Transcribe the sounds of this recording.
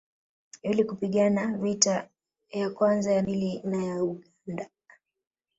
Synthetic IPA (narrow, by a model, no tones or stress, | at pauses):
ilikupiɠanavita | jakwanzajamilinajauɠanda